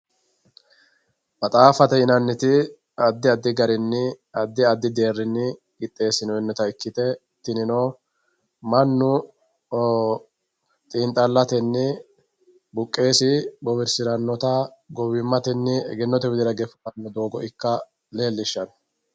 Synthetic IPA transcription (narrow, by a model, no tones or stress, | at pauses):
bɐt̪ʼaːfɐt̪ɛɪnɐnːɪt̪ɪ | ɐd̪ːɪɐd̪ːɪɡɐɾɪnːɪ | ɐd̪ːɪɐd̪ːɪd̪e̞ːrːɪnːɪ | ɡɪt̪ʼːe̞ːsɪnɔɛnːɛt̪ɐjkːɪt̪ɛ | t̪ːɪnɪnoː | mɐnːʊ | t̪ʼiːnt̪ʼːɐlːɐt̪ɛnːɪ | bʊkʼːe̞ːsɪbɔbɪɾsɪɾɐnːɔt̪ɐɡɔwɪmːɐt̪ɛnːɪɛ̰ɡɛnːɔt̪ɛwɪd̪ɪɾɐɡɛfɐɐnːɔd̪o̞ːɡɔɪkːɐ | le̞ːlːɪʃːɐn